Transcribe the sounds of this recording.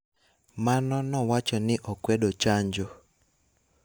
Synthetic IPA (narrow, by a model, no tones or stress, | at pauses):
manɔnɔwat͡ʃɔnɪʔɔkwɛdot͡ʃaɲd͡ʒo